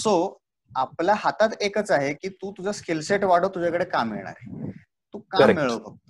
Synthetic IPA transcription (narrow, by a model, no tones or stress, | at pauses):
so | apljaɦat̪at̪ekət͡saɦekiːt̪ũːt̪ud͡ʑʱaskelseʈʋaɽ̤ət̪ud͡ʑakəɽekamːḭɭɳ̃a̰ɾe | t̪uːkamːiɭəbəɡ̚t̪o